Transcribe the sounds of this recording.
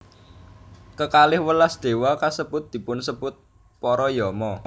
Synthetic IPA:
kəkalɪhwəlasd̪̥e̤wakasəb̥ʊt̪̚d̪̥i̤pʊnsəb̥ʊt̪̚ | pɔɾɔjɔmɔ

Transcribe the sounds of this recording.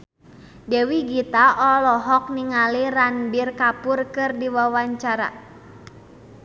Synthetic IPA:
dɛwiɡit̪aʔɔlɔɦɔk̚niŋaliranbirkapurkɨrdiwawaɲt͡ʃaɾa̰

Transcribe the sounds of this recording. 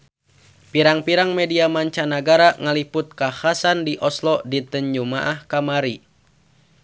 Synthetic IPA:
piɾaŋpiɾaŋmɛdiamaɲt͡ʃanaɡaɾaŋalipʊt̪̚kahasandiʔɔslɔdit̪əɲd͡ʒumaʔahkamaɾi

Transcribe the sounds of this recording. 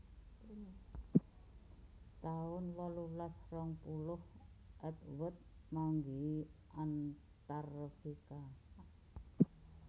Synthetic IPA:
t̪aʊnwɔlulasrɔŋpulʊhʔət̪wət̪̚maŋɡi | an | t̪arfika

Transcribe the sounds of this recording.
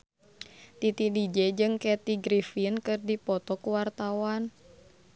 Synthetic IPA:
t̪it̪idid͡ʒɛd͡ʒɨŋkɛt̪iɡɾifinkɨrdipɔt̪ɔkuwart̪awan

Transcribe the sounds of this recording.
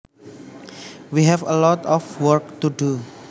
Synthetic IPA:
wiɦɛfəlɔtɔfwəɹk̚tudu

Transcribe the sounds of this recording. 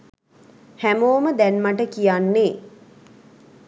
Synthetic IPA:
hæmoːməd̪ænmaʈəkijanːe

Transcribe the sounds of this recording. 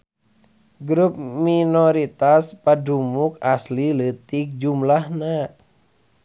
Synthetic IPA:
ɡɾup̚minɔɾit̪aspadumukaslilət̪ik̚d͡ʒumlahna

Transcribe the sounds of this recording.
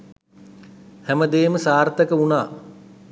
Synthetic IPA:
hɛməd̪eːməsaːrt̪əkəunaː

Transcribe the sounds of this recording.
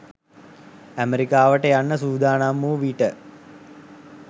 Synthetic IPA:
æmeɾikaːʋəʈəjanːəsuːd̪ʱaːnamːuːʋiːʈə

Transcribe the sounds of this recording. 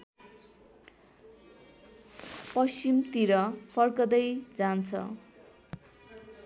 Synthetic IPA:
pʌsimt̪iɾʌpʰʌrkʌd̪ʌjd͡zant͡sʰʌ̰

